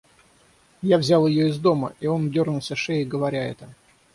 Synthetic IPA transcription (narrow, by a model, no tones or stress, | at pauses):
javzʲalˠɪjo̞ɪzd̪o̞məʔio̞ndʲo̞rnʊlˠsʲəʂeɪɡəvɐɾʲaɛ̰t̪ə